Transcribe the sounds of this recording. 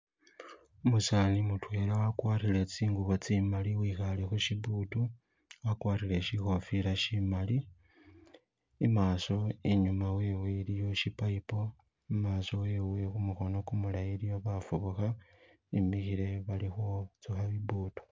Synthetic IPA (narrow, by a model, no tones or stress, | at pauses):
musanimutwe̞ːlawakwaːrile̞t͡siːŋɡuβot͡simaliwiːxalexuʃibuːtu | wakwaːrile̞ʃixo̞fiɾaʃimali | maːso̞iɲumawewelijo̞ʃipaipo̞ | maːso̞weːwe̞xumuxo̞no̞kumulajilijo̞βafuβuxa | imixiɾe̞βalixot͡suxaβibuːtu̥